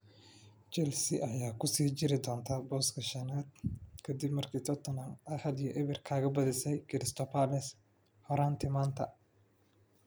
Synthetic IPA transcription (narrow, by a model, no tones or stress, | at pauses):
t͡ʃɛlsɪʔɐjaːkʰʊsiːt͡ʃɪɾɪd̪ɔːnt̪ʰabɔːskʰɐʃɐnaːd̪̚kʰɐd̪ɪbmɐrkʰiːt̪ʰɔt̪ʰɔnɐmʔɐhɐljɔʔɪβɪrkʰaːɣɐbɐðɪsɛjkʰɪɾɪst̪ʰɔpalɛs | hɔɾaːnt̪ʰɪmaːnt̪ʰɐ̰